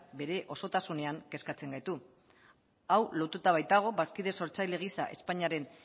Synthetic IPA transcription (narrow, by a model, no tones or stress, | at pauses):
be̞ɾe̞ʔo̞so̞t̪asune̞aŋke̞skat͡se̞ŋɡajt̪u | awlo̞ɾt̪ut̪aβ̞ajt̪aɣ̞o̞βaskiðe̞so̞ɾt͡sajle̞ɣ̞isaʔe̞̰spaɲiaɾe̞n